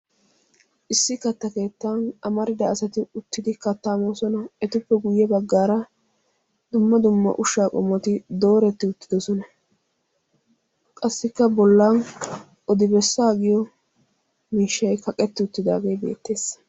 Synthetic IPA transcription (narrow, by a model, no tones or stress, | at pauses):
ʔɪsːɪkɐt̪ːɐke̞ːt̪ːanɐmɐɾɪd̪ɐːsɐt̪ɪʊt̪ːɪd̪ɪkɐt̪ːaːmoːsɔnɐɛt̪ʊpːɛɡʊjːɛbɐɡːaːɾɐ | d̪ʊmːɐd̪ʊmːɐ̰ʔʊʃaːkʼɔmːɔt̪ɪd̪o̞ːɾɛt̪ːɪʊt̪ːɪd̪ɔsɔnɐ | kʼɐsːɪkːɐbɔlːaːn | ɔd̪ɪbɛsːaːɡɪjɔ | miːʃːɐjkɐkʼɛt̪ːɪʊt̪ːɪd̪a̰ːɡejbḛːt̪ːe̞ːs